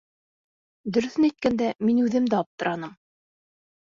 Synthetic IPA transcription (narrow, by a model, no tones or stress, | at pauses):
d̪ɵ̆ɾɵ̆θɘnæjt̪̚kænd̪æminʉðɘmd̪æɑp̚t̪ɤ̆ɾʔɑnɤm